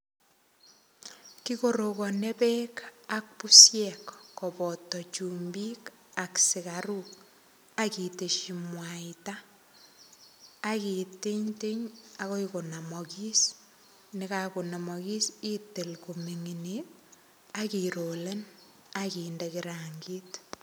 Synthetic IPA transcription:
kikoɾokɔnepɛkak̚pusjɛkːɔpɔtːɔt͡ʃumbik | aksɪkaɾuk | akiteʃimwaita | kiteɲteɲakoikonamɔkis | nɪkakonamɔkisitelkomiŋine | akiɾoːlen | akindekiɾaŋɡiːt

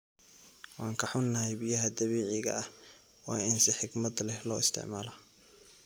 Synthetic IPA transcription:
wɑːŋkʰɐħʊnːɐhɛjbɪjɐɦɐd̪ɐβiːʕɪɣɐ̰ɐh | wɑːɪnsɪħɪɡmɐd̪lɛhlɔːɪst̪ʰɪ̰ʕmaːlɐ

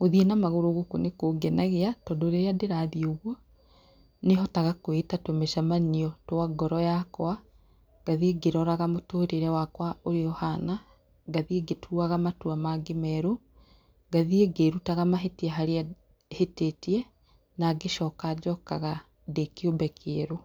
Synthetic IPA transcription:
ɣoðienamaɣoɾoɣokunekoɡɛnaɣeatɔdoɾeɾeadeɾaðioɣwɔ | neɦɔtaɣakoetatwemeʃamaniɔtwaɡɔɾɔjakwa | ɡ̥aðieɡeɾɔɾaɣamotoːɾeɾɛwakwaoɾeɔhana | ɡaðieɡetʰuaɣamatuamaɡemɛɾo | ɡaðieɡeɾutaɣamaɦetiaɦaɾea | hetetiɛ | naɡeʃɔkaːd͡ʒɔkaɣa | dekiobɛkʰeːɾo

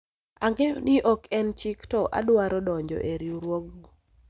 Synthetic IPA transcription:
aŋɡeɔnɪʔɔkʰɛnt͡ʃɪktɔʔa̰dwaɾɔdɔɲd͡ʒɔ̰ʔeɾjuɾwoɡ

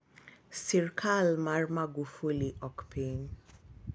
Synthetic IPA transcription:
siɾkʰalmaɾmaɡufuliʔɔkpʰin

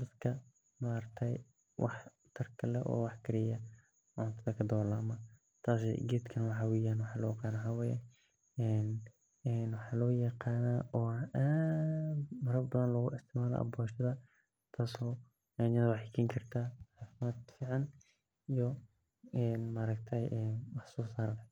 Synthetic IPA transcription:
d̪ɐd̪kʰɐ | maɾɐt̪ʰɛj | wʔɑ̰ħ | t̪ʰɐrkʰɐlɛʔɔ̰ːwɑħkʰɪɾɪjɐ | ʕʊnt̪ʰɐðɐkʰɐd̪ɔːlaːmɐ | t̪ʰaːs̬ɡɛːd̪kʰɐnɐwɑħɑːwɛːjaːnwɑħɑːlɔːjɐqaːnawħaːwɛːjɛ | ɛːn | ɛːnwɑħɑːlɔːjɐqɑːnaːʔɔːaːd̪mɐɾɐbɐðɐnlɔːɣʊɪst̪ʰɪʕmaːlɐ̰ːʔɐ̰bɔːʃɐðɐ | t̪ʰaːsɔː | ɛnjɐðɐwɑħɪkʰiːŋkʰɐrt̪ʰaːħɑːfɪmaːd̪fiːʕɑn | ijɔ | ɛːnmaɾɐɡ̚t̪ʰɛjʔɛːnwɑħsɔːsaːɾ

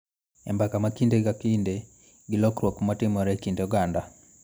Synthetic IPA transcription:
ɛ̰mbakamakindekakinde | ɡɪlɔkɾwokmatɪmɔɾɛkindɛuɡanda

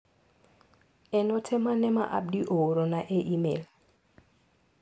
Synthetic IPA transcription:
ɛnɔtʰɛmanɛma̰ʔa̰b̚diʔooɾonaʔeʔimḛl

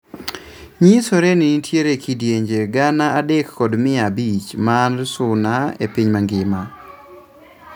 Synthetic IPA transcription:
ɲisoɾenitʰjeɾekidjeɲd͡ʒeɡanaadekːɔdmɪabit͡ʃmansʊnaḛpiɲmaŋɡɪma

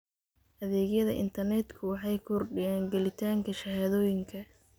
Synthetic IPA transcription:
ʔɐðɛːɣjɐðɐ̰ʔɪ̰nt̪ʰɐrnɛd̪kʰʊwɑħɑjkʰɔrɖɪjɛːŋɡɛlɪt̪ʰaːŋkʰɐʃɐhaːðɔːjɪŋkʰɐ

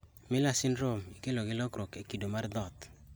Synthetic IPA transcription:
mɪlasɪnɾomikeloɡɪlɔkɾokekidomaɾd̪ɔt̪

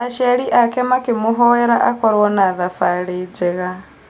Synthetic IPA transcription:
aʃaɺiʔakɛmakɪmʊɦɔɛɾaʔakɔɾwɔnaðafaɺid͡zɛɣa

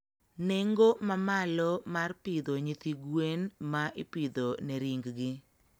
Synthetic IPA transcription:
neŋɡomamalɔmarpid̪oɲit̪iɡwenmaʔɪpid̪oneɾiŋɡɡɪ

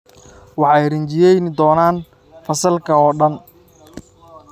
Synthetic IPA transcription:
wɑħɛjrɪɲt͡ʃɪjɛjnd̪ɔːnaːn | fɐsɐlkʰɐɔːɖɐn

